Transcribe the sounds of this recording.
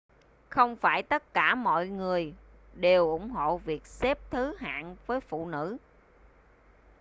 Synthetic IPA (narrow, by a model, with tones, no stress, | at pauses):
xə˧wŋ͡mfaː˧˩jt̪ə˦˥t̚kaː˧˩mɔ̰˧˨jŋɨ˨˩əj | ɗe˨˩wʔʊ˧˥ŋ͡mɦo̰˧˨vi˨˩ək̚sɛ˦˥p̚t̪ʰɨ˨˦ɦa̰ː˧˨nvəː˨˦jfṵ˧˨nɨ̰˧˥